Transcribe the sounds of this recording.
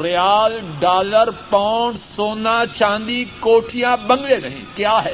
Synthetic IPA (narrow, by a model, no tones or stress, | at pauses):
ɾɪjaːlɖaːləɾpaʊɳɖsoːnãt͡ʃãːnd̪ikoːʈʰijãbɐ̃ŋɡlenɐɦḭ̃kjaːɦɛː